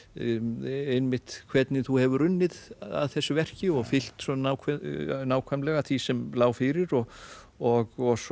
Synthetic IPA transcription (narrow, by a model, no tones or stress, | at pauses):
ejnmɪht̪kʰvɛt̪nɪθuhɛvʏɾʏnːɪða̰ðθɛsːʏvɛr̥cɪɔɣfɪl̥t̪sɔnawkʰɛnaːwkʰvajmlɛɣat̪ʰvisɛmlaːwfɪɾɪɾɔɣ | ɔɣɔs